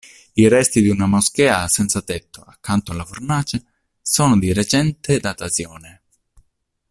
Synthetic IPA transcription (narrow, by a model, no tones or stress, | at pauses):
irɛst̪id̪iunamosk̟ɛːasɛnt̪sat̪ɛt̪ːoakːant̪oalːafornaːt͡ʃe | sɔːnod̪iɾet͡ʃɛnt̪ed̪at̪asjɔːne